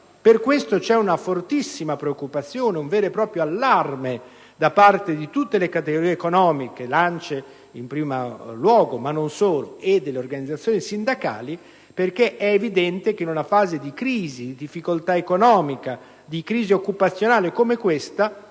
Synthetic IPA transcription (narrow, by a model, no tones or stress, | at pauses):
perkwest̪ot͡ʃɛunafort̪isːimapɾeokːupat̪sːjoːneuɱvɛːɾepɾɔːpɾjoalːarme | d̪apart̪ed̪it̪ut̪ːelekat̪eɡoɾiːeekonɔːmikelant͡ʃe | impɾiːmalwɔːɡomanːonsoːlo̰ed̪ːelːeorɡanid̪zːat̪sːjoːnisind̪aka̰ːli | perkeʔɛːvid̪ɛnt̪ek̟einunafaːzed̪ikɾiːzid̪id̪ifːikolt̪aekonɔːmika | d̪ikɾiːziokːupat̪sːjonaːlekomekwest̪a